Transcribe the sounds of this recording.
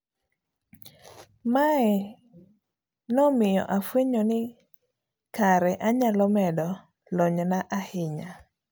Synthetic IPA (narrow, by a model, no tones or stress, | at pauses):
maɛ | nɔmɪjɔ̰ʔafweɲonɪ | kaɾɛʔaɲalɔmɛdɔ | lɔɲnaʔahɪɲa